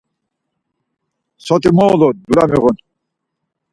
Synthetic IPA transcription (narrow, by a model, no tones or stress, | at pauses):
sɔt̪imɔːlɔd̪uɾamiɣɔn